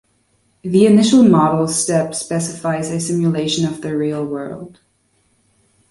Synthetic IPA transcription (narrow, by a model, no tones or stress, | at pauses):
ðiɨnɪʃl̩ˠmɑɾl̩ˠstɛpspɛsɨfaɪzɨsɪ̃mjɨleɪʃɨ̃nʌvðɨɹilˠwɜ̰˞lˠd̥